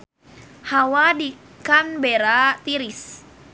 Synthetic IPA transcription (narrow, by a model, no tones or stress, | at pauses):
hawadi | kanbeɾat̪iɾis